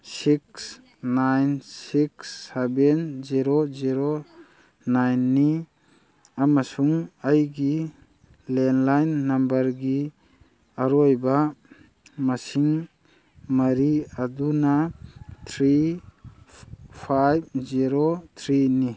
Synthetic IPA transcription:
sik̚s | najnsiksːebenziɾoziɾo | najnːi | amasuŋajɡi | lenlajnːambəɾɡi | aɾɔjba | masiŋ | maɾiad̪unat̪ʰɾi | pʰajb̚ziɾot̪ʰɾini

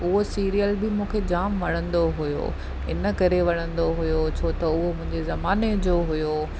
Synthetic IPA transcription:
ʊɦosiːɾijəlbɪmũːkʰed͡ʑaːmʋɐɽ̤̃ə̃nd̪oɦʊjo̰ | ɪ̰nə̆kɐɾeʋɐɽ̃ə̃nd̪oɦʊjot͡ɕʰoːt̪ɐʊɦomʊ̃ɦɪ̃ɲd͡ʑezɐmaːned͡ʑoːɦʊjo

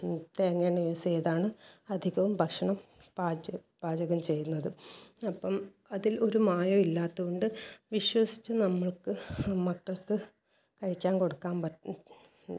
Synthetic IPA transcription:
t̪eːɐŋːeɳijʋɐsijɐðaːɳɨɐd̪ʱiɣɐʋumbʱɐkʂɐɳɐm | baːd͡ʑɐ | b̥aːd͡ʑɐɣɐmt͡ɕe̞junːɐðɨɐpːɐm | ɐðilo̞ɾumaːjɐmilːaːt̪ːuɣoɳɖɨʋiɕwɐsi̥t͡ɕːɨnɐmːɐɭkɨmɐkːɐɭkɨ | kɐɻikʲːaːnko̞ɽukːaːnpɐ

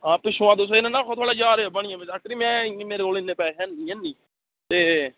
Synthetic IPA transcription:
ɦãːpɪʃʊãːd̪os̬oɪnãːnãːkʰoːt̪ʰoːɽaːd͡ʒaːɾeːobəɳɪjãːbet͡ʃakɾiːmɛ̃ːẽːmeːɾeːkoːlɪnːeːpɛːɦɛ̃ːnĩːɛ̃ːnːĩː | t̪eː

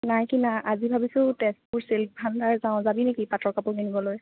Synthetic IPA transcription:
najkinaʔazibʱabisʊ̃tɛspuɹselp̚bʱandʱaɹzaʊ̃zabinekipatɹɔkapʊɡinibɔloj

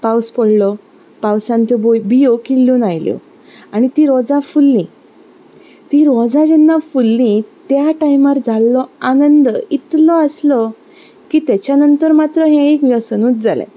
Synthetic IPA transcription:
pawspɔɽlɔ | pawsãnt̪ɔbobijokilːũːnajljɔ̰ | aɽ̃it̪iːɾɔd͡zãfulːĩ | t̪iɾɔd͡zad͡ʑɛnːafulːĩt̪jaʈajmaɾd͡zʱalːɔanənd̪it̪lɔəslɔ | kiːt̪at͡ɕjanənt̪əɾmat̪ɾəɦɛ̃ekʋjəsənuːt̪̚d͡zalḛ̃

